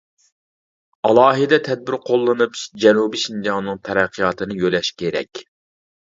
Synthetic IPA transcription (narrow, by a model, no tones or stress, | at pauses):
ɑlˠɑːɦɨd̪ɛt̪ʰɛd̪̚bɪɾqʰolˠːɨnɨpd͡ʒɛnubiʃind͡ʒɑŋnɨŋt̪ʰɛɾɛqʰːijɑt̪ʰɨnɨjølɛʃkʲʰeɾɛ̰kʲ